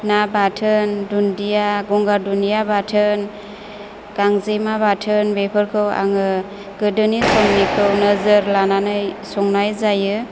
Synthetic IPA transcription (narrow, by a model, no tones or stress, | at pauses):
nabatʰɯndundijaɡɔŋɡadunijabatʰɯn | ɡ̥aŋzemabatʰɯnbepʰɯɾkʰɯwa̰ŋɯ | ɡ̥ɯdɯnisɔŋnikʰɯwnəzɯɾlananɯjsɔŋnajzajɯ